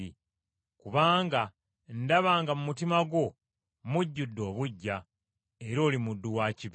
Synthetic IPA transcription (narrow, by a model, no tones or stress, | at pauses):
i | kuβaːŋɡa | ndaβaːŋɡamumutimaɡwo̞ | muɟːudːo̞ːβuɟːa | e̞ɾo̞ːlimudːuwaːciβ